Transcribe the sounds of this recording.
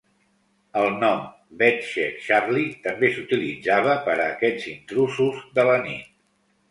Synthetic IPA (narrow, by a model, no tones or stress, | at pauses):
əlˠnɔm | bɛt̪ʃɛkʃarlit̪əmbesut̪ilid͡zaβ̞əpəɾəːkɛʎzint̪ɾusuzðələnit̪̚